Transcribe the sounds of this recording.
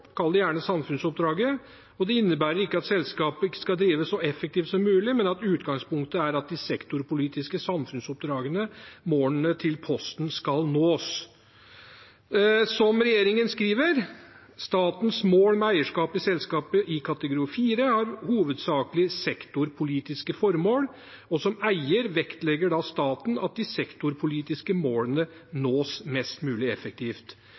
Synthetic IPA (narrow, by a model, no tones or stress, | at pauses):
kʰɑld̪ɛjæːɳəsɑmfʉnsɔp̚d̪ɾɑːɡə | ɔd̪ɛɪnːəbæːɾəɾɪkːəɑt̪sɛlskɑːpəɪkːə̥skɑld̪ɾiːʋəssɔɛfːək̚t̪ʰiːft̪sɔmːʉːlɪmɛnɑt̪ʉːt̪ɡɑŋspʊŋkt̪əæɾɑt̪̚d̪ɪsɛkt̪ʊɾpʊliːt̪ɪskəsɑmfʉnsɔp̚d̪ɾɑːɡənəmoːənət̪ʰɪlpʰɔst̪nskɑlnoːs | sɔmɾɛjeːɾɪŋənskɾiːʋəɾ | st̪ɑːt̪nsmoːlmɛæɪəʂkɑːpɪsɛlskɑːpəʔɪkʰɑt̪əɡʊɾɪəfiːɾəhɑɾhuːʋəd̪sɑːkəlɪsɛkt̪ʊɾpʰʊliːt̪ɪskəfɔɾmoːl | ɔsɔmæɪəɾʋɛkt̪lɛɡəɖɑst̪ɑːt̪nɑ̰t̪̚d̪ɪsɛkt̪ʊɾpʰʊliːt̪ɪskəmoːlənənoːsmɛst̪mʉːlɪɛfək̚t̪ʰiːft̪